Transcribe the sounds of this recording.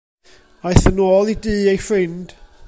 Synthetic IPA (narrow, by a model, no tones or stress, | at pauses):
ajθənoːlˠidɨːejfɹɪnd̥